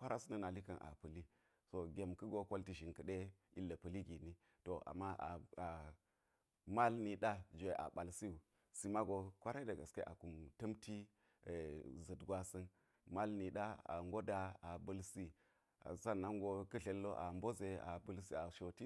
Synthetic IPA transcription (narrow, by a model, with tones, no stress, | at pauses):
kʷa˦ɾa˦su˦nə˦na˨li˦kɐ˨nʔa̰˨pə˨li˦ | so˨ɡʲe˨mkə˦ɡo˦ko˦lti˨ʒi˨nkə˨ɗe˦ | i˦lːə˨pə˨li˦ɡi˨ni˦ | to˨ʔa̰˨mːa˦ʔa˨a˨ | ma˦lni˨ɗa˦d͡ʒe˨ʔa̰˨ɓa˨lsi˦u˨ | si˨ma˦ɡo˨kʷa˦ɾa˦də˨ɡa˨ske˦ʔa̰˨ku˨mtɐ˦mti˦˨ | zə˨dɡwa˦sə˦n | ma˦lni˨ɗa˦a̰˨ŋɡo˦da˨a˨bə˦lsi˦ | a̰˨za˦nːa˦ŋɡo˦kə˦ɬe˨lːo˦ʔa̰˨mbo˦ze˨a̰˨bu˦lsi˦a˨ʃo˨ti˦